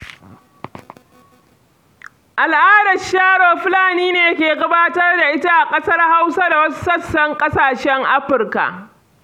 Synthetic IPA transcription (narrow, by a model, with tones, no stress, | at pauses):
ʔa˨lʔaː˦dɐ˨ʃaː˦ɽoː˨ɸlaː˨niː˦neː˨˦kʲeː˨ɡɐ˦baː˦tɐ˦rda˨ʔɪ˦ta˦ʔa˨kʼɐ˦sɐ˦rha˦wsa˦da˨wɐ˦s̬u̥˦sɐ˦sːɐ˦ŋkʼɐ˦saː˨ʃɛ˦ŋʔa˦ɸɪ˨rka̰˨ʔ